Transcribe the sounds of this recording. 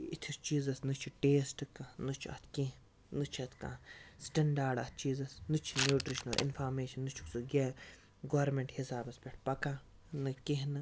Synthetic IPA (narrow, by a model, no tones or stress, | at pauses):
it̪ʲʰist͡ʃiːzɐsnɨt͡ʃʰiʈeːsʈɨkanɨt͡ʃʰiɐ̰t̪ʰkiɦ | nɨt͡ʃʰɐt̪ʰkã̰sʈɐɳɖaːɾɖɐt̪̚ʰt͡ʃiːzɐsnɨt͡ʃʰinjuːʈɾiʃɐnɐlʔḭnfʰaːɾmeːʃɐnːɨt͡ʃʰu̥ksuɡʲe | ɡoːɾmeɳʈhisaːbɐspʲeʈʰpɐkã | nɨkiɦnɨ